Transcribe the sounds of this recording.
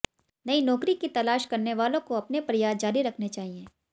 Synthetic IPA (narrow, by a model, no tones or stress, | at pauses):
nɐinɔːkɾikit̪ɐlaːʃkɐɾneʋaːlõkoɐpnepɾɪjaːd̪d͡ʒaːɾiɾɐkʰnet͡ʃaːɦiẽː